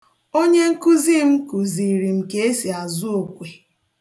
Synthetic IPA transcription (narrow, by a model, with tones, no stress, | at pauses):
o˦ɲe˦ŋ̩˦ku˦zi˦m̩˦ku˨zi˨ɾi˨m̩˦ke˦e˦si˨a˨zʊ˦o˨kʷe˨